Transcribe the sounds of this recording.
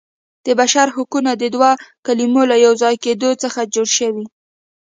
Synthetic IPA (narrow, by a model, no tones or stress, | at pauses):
d̪̥əbaʃaɾhʊkunad̪əd̪wakalimolajawzɑjked̪ot͡səxad͡ʒoɽʃəwi